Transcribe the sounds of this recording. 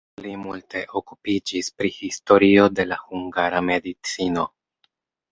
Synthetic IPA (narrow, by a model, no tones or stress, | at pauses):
plimulte̞ʔo̞kupid͡ʒispɾihisto̞ɾio̞de̞lahuŋɡaɾame̞dit͡sino̞